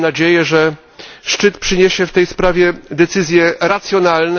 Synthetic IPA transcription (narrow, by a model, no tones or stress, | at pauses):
nad͡ʑejɛʐɛ | ʂt͡ʂɘt̪pʂɘɲeɕɛft̪ɛjspɾavʲjɛd̪ɛt̪sɘzʲjɛɾat̪sʲjɔnalnɛ